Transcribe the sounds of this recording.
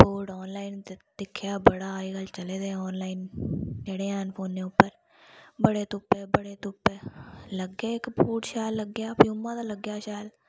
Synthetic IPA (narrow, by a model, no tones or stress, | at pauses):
poːɖɔːnlaːɪnd̪̥ɪkʰːjaːbəɽaːiɡəlt͡ʃəleːd̪eːɔːnlaːɪneːɽeaːnpʰoːnːeʊpːəɾ | bəɽet̪ʊpːebəɽet̪ʊpːeləɡːeekpuːʈʃaːlːəɡːjaːpiʊmːãd̪aləɡːjaːʃaːl